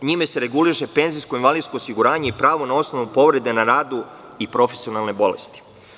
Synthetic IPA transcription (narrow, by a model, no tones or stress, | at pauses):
ɲime̞se̞ɾe̞ɡuliʃe̞pe̞nziskoinʋalid̪skoːsiɡuɾaːɲe̞ipɾaːʋo̞nao̞sno̞ʋupo̞ʋɾe̞d̪e̞naɾaːd̪u | ipɾo̞fe̞sio̞nalˠne̞bo̞̰lḛst̪i̥